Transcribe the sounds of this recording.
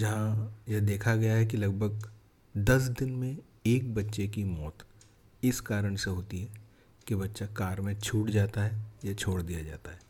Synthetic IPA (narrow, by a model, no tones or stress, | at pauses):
d͡ʒɐɦãjɛd̪eːkʰaɡɐjaɦɛk̬ilɐɡ̚bʱəɡ̚ | d̪ɐs̬d̪ɪnmẽ | eːk̚bɐtːʃekimɔːt̪ | ɪskaːɾəɽ̃seɦoːt̪iɦɛː | kibɐtːʃakaːɾmẽt͡ʃʰuːʈd͡ʒaːt̪aɦɛjat͡ʃʰoːɽd̪ijad͡ʒa̰ːt̪aɦɛː